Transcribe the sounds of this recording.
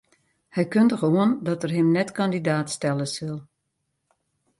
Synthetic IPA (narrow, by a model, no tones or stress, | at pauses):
hɛjkøndəxoəndɔtərɦɪmnɛtkandidaːtstɛlˠəsɪlˠ